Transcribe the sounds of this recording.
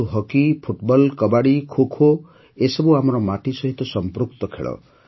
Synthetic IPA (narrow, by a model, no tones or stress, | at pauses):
uɦɔkipʰuʈbɔlkɔbaɽikʰokʰo | esɔbuamɔɾɔmaʈisɔɦit̪ɔsɔmpɾukt̪ɔkʰḛɭɔ̰